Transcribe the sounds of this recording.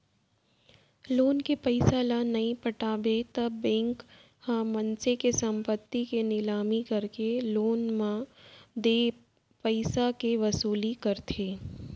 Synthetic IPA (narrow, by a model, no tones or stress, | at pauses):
loːnkepɐɪsalanɐĩpɐʈaːbet̪ɐbːɛ̃ːŋk | hãmɐnsekesɐ̃mpət̪ːikenɪlaːmikɐɾkeloːnmãd̪eː | pɐɪsakeʋɐsuːlikɐɾt̪ʰeː